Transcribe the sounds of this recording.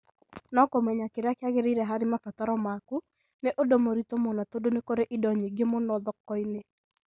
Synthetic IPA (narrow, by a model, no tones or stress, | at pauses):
nɔkomɛɲakɪɾakɪaɣɪɾɪɾɛɦaɾɪmafataɾɔmaku | neʔodomoɾitomɔnatodonekoɾeʔɪdɔɲeɡemɔnɔðɔkːɔɪne